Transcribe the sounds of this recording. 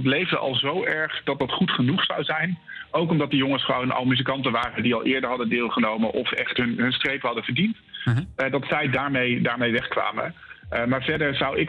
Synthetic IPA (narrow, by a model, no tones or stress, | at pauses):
tlejvdəʔɑ̰lˠzowʔɛɹχd̥ɑt̚dɑtχutχənuχsa̰wzɛjn | owkɔmdɑt̚dəjɔŋəsχəʋownʔɑ̰lˠmyz̬ikɑntəʋaːrədiɑlˠʔɪːɹdəɹɦɑdəndɪːlˠχənowməʔɔfɛχtɦɵnɦɵnstrejpəɦɑdəvəɹdint | dɑtsɛjdaːɹmejdaːɹmejʋɛχkʋa̰ːmə̰maːɹvɛɹdəɹzɑwɪ